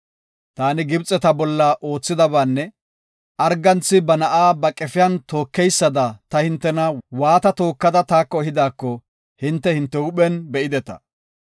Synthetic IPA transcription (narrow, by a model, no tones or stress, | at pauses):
t̪aːnɪɡɪbt͡sʼɛt̪ɐbɔlːɐʔo̞ːt͡sːɪd̪ɐbaːnːɛ | ʔɐɾɡɐnt͡sːɪbɐnɐʔaːbɐkʼɛfɪjɐnt̪o̞ːkːɛjsːɐd̪ɐt̪ɐhɪnt̪ːɛnɐwaːt̪ɐt̪o̞ːkːɐd̪ɐt̪aːkːɔhɪd̪aːkːɔ | hɪnt̪ːɛhɪnt̪ːɛʊɓɛnbɛʔɪd̪ɛt̪ɐ̰